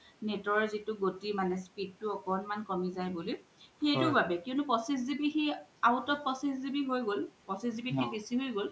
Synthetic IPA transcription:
netɔɹzitʊɡotimanɛspid̚tʊɔkɔnmankɔmizajbolijxejtubabɛkiʊnupɔsis̬zibixiaʊtɔt̚pɔsiszibiɦojɡolpɔsiszibixʰibesiɦojɡol

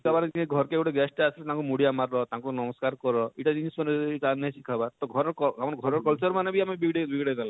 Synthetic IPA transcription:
ikʰabaɾiɡʱɔɾɔkeeɡuʈaɡɛsʈasʰilet̪ãkumuɽiamaɾːɔt̪akunɔmɔskaɾkɔɾɔiʈad͡ʒinisɔneitanesikʰabaɾt̪ɔɡʱɔɾɔɾkɔamɔɾɡʱɔɾɔɾkɔlt͡ʃɔɾmanebiamebiɡɽebiɡɽed̪ala

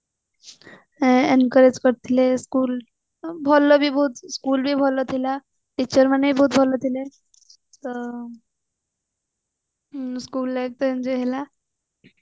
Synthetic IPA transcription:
enkəɾed͡zkəɾt̪ʰileskuːl | bʱɔlːɔbʱiːbəut̪skuːlbʱiːbʱɔlːət̪ʰila | ʈit͡ɕəɾmənːeibʱəɦut̪̚bʱɔlːət̪ʰile | t̪ə | skuːlːak̚t̪əə̃nd͡ʑeɦela

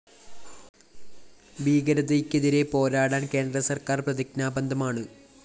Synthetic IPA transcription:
biːɡɐɾɐðejkʲːeðiɾe̞po̞ːɾaːɽaːnke̞ːnd̪rɐsɐrkaːrprɐðiknaːbɐnd̪ʱɐmaːɳɨ

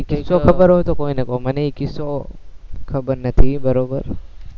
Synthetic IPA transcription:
kɪsokɐbɐɾot̪ɔkoɪnɐkʼomɐnekɪsːo | kʰɐbɐnːɐt̪ʰibɐɾoːbɐɾ

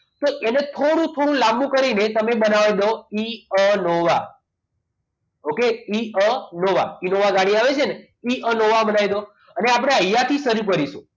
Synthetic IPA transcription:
t̪oʔenet̪ʰoɽ̃ũt̪ʰoɽ̃ũlambũkəɾinet̪əmebənaʋid̪oiənoʋa | okeiənoʋa̰inoʋaɡaɽiaʋet͡ʃʰene | iʔənoʋabənaʋid̪o | əneapɽ̃eəjːat̪ʰisəɾukəɾisũ

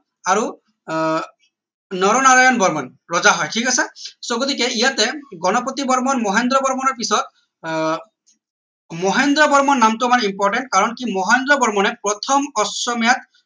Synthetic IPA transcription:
aɹu | nɔɾɔnaɹajɔnbɔɹmɔn | ɹɔzaɦɔjʈʰikasɛsoɡot̪ikɛijatɛɡɔnɔpot̪ibɔɹmɔnmɔɦend̪ɾɔbɔɹmɔnɔɹpisɔt̪̚ | mɔɦend̪ɾɔbɔɹmɔnnːamtumanimpɔɹʈɛnʈ̚kaɹɔnkimɔɦend̪ɾɔbɔɹmɔnɛpɹɔt̪ʰɔmɔsɔmjat̪

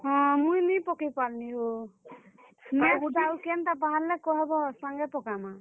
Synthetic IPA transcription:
ɦɔ̃mujnipɔkipalniɦo | mɔuʈawkent̪apaɦaɾlekɔɦɛbɔsaŋɡɛpɔkama

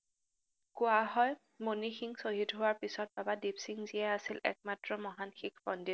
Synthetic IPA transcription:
kʊaɦɔj | monixiŋsoɦitɦʊwaɹpisɔt̚babadipsiŋziɛasilɛ̰k̚matɹɔmɔɦanxikʰbɔndit

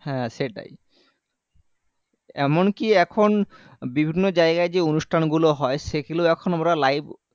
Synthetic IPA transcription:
hɛ̃ʃeʈa̰j | ɛ̰monkiɛkʰonbibʱinːod͡ʑaeɡaed͡ʑeonuʃʈʰanɡuloɦɔeʃekelewɛkʰonamɾalajb

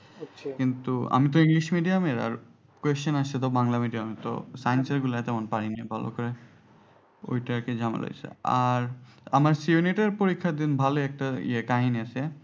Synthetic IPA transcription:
kint̪ua̰mit̪ɔiŋliʃmiɖijameɾa̰ɹ | kwesɔnaset̪̬ɔbaŋlamiɖiamet̪ɔ̰sajnseɾɡulat̪ɛmonpaɾiniebʱalo̰kɔɾe | o̰jʈaked͡ʑama̰lo̰jsʰḛaɾamaɾsiuniʈeɾpoɾikʰːad̪inbʱaloɛk̚ʈaḭekaɦiniasʰe

